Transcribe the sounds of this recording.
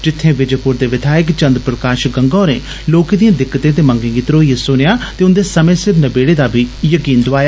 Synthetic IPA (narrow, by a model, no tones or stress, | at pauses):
d͡ʒɪt̪ʰːẽːʋɪd͡ʒəpʊɾd̪eːʋɪd̪ʰʱaːəkt͡ʃə̃nd̪ɾpɾəkaːʃɡəŋɡɔːɾḛ̃ː | loːkeːd̪ijãːd̪ɪkːət̪ẽːt̪̬eːmə̃ŋɡẽːɡiːt̪ɾoːiesʊnejaːt̪eːʊnd̪eːsəmẽːsɪɾbnəbeːɽeːd̪aːbʱiːjəkiːnd̪ʊaːjaː